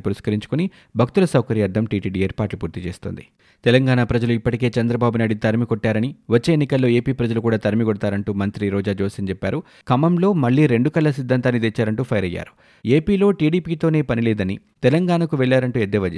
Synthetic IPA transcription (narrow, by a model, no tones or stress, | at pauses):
puɾiʂkɐɾiɲt͡ʃu̥kuni | bʱɐk̚t̪ulɐsɐwkɐɾijɐːɾd̪ʰʱɐmʈiːʈiːɖieːɾpaːʈlupuːɾt̪it͡ʃe̞ːst̪o̰ːnd̪i | t̪ɛlɐŋɡaːɳaːpɾɐd͡ʒɐluipːɐʈike̞ːt͡ʃɐnd̪ɾɐbaːbunaːjɽit̪ɐɾmikɔʈːaːɾɐniʋot͡ʃːe̞ːnːikɐlːo̞ːe̞ːpiːpɾɐd͡ʒɐlukuːɽaːt̪ɐɾmiɡɔɽɐt̪aːɾɐɳʈuːmɐnt̪ɾiɾɔːd͡ʒaːd͡ʒoːsɐnt͡ʃɛpːaːɾu | kɐmɐmlo̞ːmɐɭːiːɾe̞ɳɖukɐlːɐsid̪ʱːɐnt̪aːnːid̪et͡ʃːaːɾɐɳʈuːpʰɐjɾɐjːa̰ːɾu̥ | e̞ːpiːlo̞ːʈiːɽiːpiːt̪oːne̞ːpɐnileːd̪ɐnḭt̪ɛlɐŋɡaːɳɐkuʋɛɭːaːɾɐɳʈuːed̪ɛːʋɐd͡ʒ